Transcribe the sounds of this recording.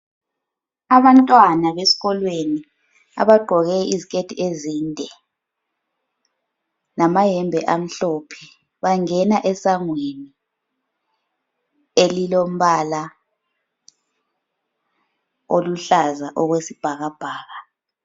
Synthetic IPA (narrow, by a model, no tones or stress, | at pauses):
aβantʼwanaβesi̥ɣɔlweni | a̰βaɡ͡ǃʱɔɣɛizikʰetʰiezindʱɛ | namajɛmbʱɛʔam̩ɬɔpʰɛ | βaŋɛnaʔɛsaŋweni | elilom̩βala | oluɬazaʔɔɣwesib̥ʱaɣab̥ʱaːɣa